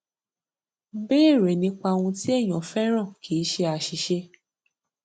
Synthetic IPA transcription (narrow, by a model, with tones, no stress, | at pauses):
beː˦˨ɾe˨nĩ˧˦k͡pa˧w̃ũ˧ti˦ɛ˦˨j̃ɔ̃˨fɛ˦ɾ̃ã˦˨kʰi˨˦ʃe˧a˧˨ʃi˨˧˦ʃe˧